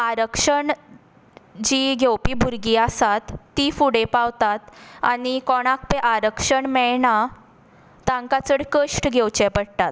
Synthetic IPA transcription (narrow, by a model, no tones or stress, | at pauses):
aɾəkʂəɳ | d͡ʑiɡʱewpiːbʱuɾɡiasat̪ːifuɽepawt̪at̪anikɔɽ̃ak̚peʔaɾəkʂəɳmɛɭɳa | t̪ãŋkat͡səɽkəʂʈɡʱewt͡ɕɛpəɽt̪at̪̚